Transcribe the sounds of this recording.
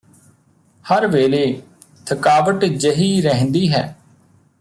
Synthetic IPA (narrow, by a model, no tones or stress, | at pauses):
həɾʋeːleː | t̪ʰəkaːʋəʈd͡ʒəɦiːɾɛɦnd̪iːɦɛː